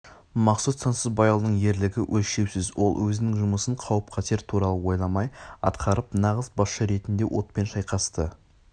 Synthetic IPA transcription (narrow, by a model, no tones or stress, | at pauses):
mɑqsut̪sɑnsəzbɑjɑlˠd̪əɴje̞ɾlɪɡʲɪwʔɵlʃe̞wsɪzwo̞̰lˠwɵzɪnɪŋʒʊməsəɴqʰɑwəp̚qʰɑt̪ʰe̞ɾt̪ʰuɾɑlˠəwo̞jlˠɑmɑjɑ̰t̪qʰɑɾəpnɑʁəzbɑsʃəɾe̞t̪ɪnd̪e̞wʔo̞̰t̪̚pe̞nʃɑjqɑst̪ə